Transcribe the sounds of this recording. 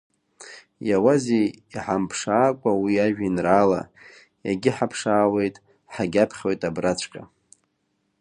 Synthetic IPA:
jawazeiħampʰʂaːkʷʼawiaʒᶣinraːla̰ | ja̰ɡʲɪħapʰʂaːwe̞jtʼ | ħaɡʲapʰχʲojtʼabrat͡ɕʷʰʼkʼa

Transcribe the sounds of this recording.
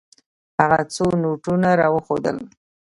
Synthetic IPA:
haɣat͡sonoʈunaɾɑwəxod̪ə̰l

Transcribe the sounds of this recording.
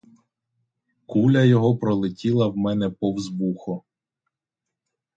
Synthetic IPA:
kulʲɐjɔɦɔpɾɔlˠɪtʲilˠɐwmɛnɛpɔwzbuxɔ

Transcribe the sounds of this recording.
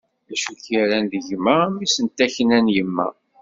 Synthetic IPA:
ðæʃuçiɾænðəʝmæmisənt̪ːæçnænjəmːæ̰

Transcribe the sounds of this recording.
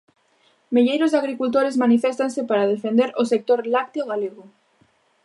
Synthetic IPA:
meʎejɾʊzaɣɾikult̪oɾezmanifɛst̪ansɪpaɾað̞efend̪eɾosek̚t̪oɾlak̚t̪eoɣ̞aleɣʊ

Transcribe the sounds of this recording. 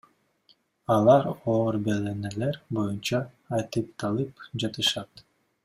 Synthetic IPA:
ɑlˠɑɾoːɾbeleneleɾbo̞junt͡ʃɑː | jt̪ɯp̚t̪ʰɑlˠɯpd͡ʒɑt̪ɯʃɑt̪

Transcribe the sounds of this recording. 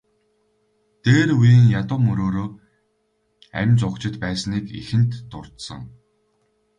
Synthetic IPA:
t̪eːɾujiːŋjat̪ʊːmɵɾoːɾoː | æ̰mʲt͡sʊkt͡ɕɪ̆t̪pæːsniːkḭxɘ̆nt̪ːʊr̥t̪sə̆ŋ

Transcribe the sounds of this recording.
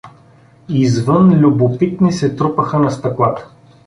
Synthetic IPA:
izvənlʲʊbopit̪̚nisɛt̪ɾupəxənɐst̪ɐklˠat̪ə̥

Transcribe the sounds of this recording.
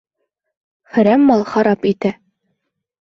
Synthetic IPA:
χɵ̆ɾæmːɑlˠχɑɾɑpit̪æ

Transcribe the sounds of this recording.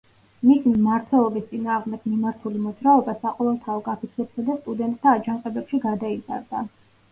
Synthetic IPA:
mismimaɾt̪ʰwɛlˠɔbist̪sʼinaːʁmd̪ɛɡ̥mimaɾt̪ʰulimɔd̪zɾaɔbasaqʼɔvɛlˠt̪ʰaɔkʼapʰit̪ʰɛbsad̪ast̪ʼud̪ɛnt̪ʼt̪ʰaːd͡ʒaŋqʼɛbɛpʃiɡad̪aiza̰ɾd̪a

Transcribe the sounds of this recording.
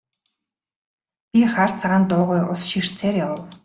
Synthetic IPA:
pʲiχart͡sʰaʁaːnt̪ʊːʁʊjʔʊsʃir̥t͡sʰeːrjawə̆w

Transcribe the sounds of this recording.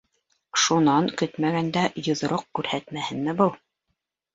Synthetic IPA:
ʃunɑŋkɵt̪mæɡænd̪æjŏð̆ɾoq̚kʉɾhæt̪mæhɘ̆nmɘbɤlˠ

